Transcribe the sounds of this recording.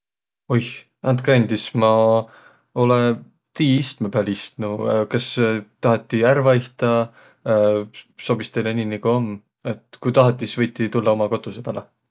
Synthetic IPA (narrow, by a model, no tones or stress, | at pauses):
oj | ɑnt̪kend̪ismɑ | o̞le | t̪iːist̪mepæːlist̪nukɑst̪ɑɦɑt̪ˑːiærvɑiht̪ɑ | so̞b̥ist̪e̞jleniːnikuomː | e̞t̪kujt̪ɑɦɑt̪ˑːisvɤjt̪ːˑit̪ulːɑo̞mɑko̞t̪ːˑusepælɑ